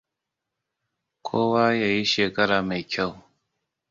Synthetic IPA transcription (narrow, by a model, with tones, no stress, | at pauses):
kʷʰoː˦waː˦ja˨ji˦ʃeː˨kɐ˦ɾaː˨ma˨jkʲa˦˨w